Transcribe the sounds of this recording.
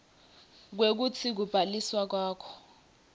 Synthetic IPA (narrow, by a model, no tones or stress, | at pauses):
k̬wek̬utʰik̬ub̥ʱaliswak̬waːkʰɔ̥